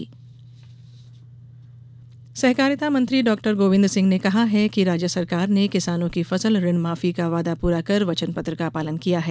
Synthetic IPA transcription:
sɛɦkaːɾjɪt̪amɐ̃nt̪ɾiɖɔːk̚ʈəɾɡoːʋɪ̃nd̪ɾsɪ̃ŋɡnekɐɦaɦɛkiɾaːd͡ʒjəsɐɾkaːɾnekɪsaːnõkifɐsəlɾɪnmaːfikaʋaːd̪apuːɾakɐɾʋɐt͡ʃənpɐt̪ɾəkapaːlənkijaɦɛ

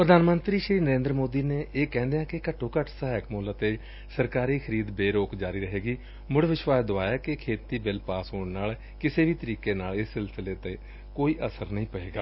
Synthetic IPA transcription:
pɾəd̪aːnmənt̪ɾiːʃɾiːnəɾẽːnd̪ɾəmoːd̪iːneːʔeːkɛ̃ːnd̪ejãːkɪkəʈʰoːkəʈʰsaːɦɪkmoːlat̪eː | səɾkaːɾiːkʰəɾiːd̪beːɾoːkd͡ʒaːɾiːɾəɦeːɡiː | mʊɽʋɪʃʋaːsd̪oaːjaːkɪkʰeːt̪iːbɪlpaːsɦoːɳnaːl | kɪseːʋiːt̪əɾiːkeːnaːlɪsːɪlsɪleːt̪ẽː | koːiːʔəsəɾnəɦĩːpəɽeːɡa̰ː

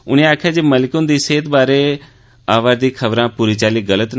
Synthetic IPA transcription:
ʊnẽːaːkʰjaːd͡ʒeːməlɪkõːnd̪iːseːt̪baːɾeː | aːʋaːɾd̪iːkʰəbɾãːpuːɾiːt͡ʃaːliːɡələt̪

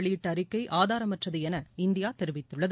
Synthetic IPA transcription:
ɭɪʈːɐɾɪkːɐɪʔaːðaːɾɐmɐʈrɐðɯɛnɐɪnd̪ɪjaːt̪ɛɾɯʋɪt̪ːɯɭːɐð

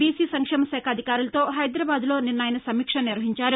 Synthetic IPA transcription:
biːsiːsɐŋkʂɛːmɐsɛːkʰɐd̪ʱikaːɾulɐt̪o̞ːɦɐjd̪ɾaːbaːd̪lo̞ːninːaːjɐnɐsɐmiːkʂɐniɾʋɐɦiɲt͡ʃaːɾu

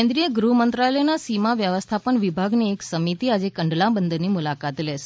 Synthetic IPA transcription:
ẽnd̪ɾijəɡɾuɦmənt̪ɾalənasimaʋjəʋəst̪ʰapəɳʋibʱaɡnieksəmit̪iad͡ʒekəɳɖlãbənd̪ʱnimulakat̪leʃ

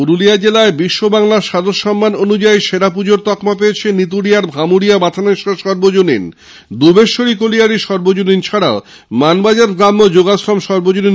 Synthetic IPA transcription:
uɾulijad͡ʑelaebiʃːobaŋlaɾʃad̪ʱoʃɔmːanonud͡ʑaiʃeɾap̬ud͡ʑoɾt̪ɔkmap̬eet͡ɕʰenit̪uɽijaɾbʱamuɽiabat̪ʰaneʃaʃɔɾbod͡ʑonin | d̪ubeʃːoɽikolijaɽiʃɔɾbod͡ʑonint͡ɕʰaɽao | manbad͡ʑaɾɡɾamːod͡ʑoɡasɾɔmʃɔɾbod͡ʑoni

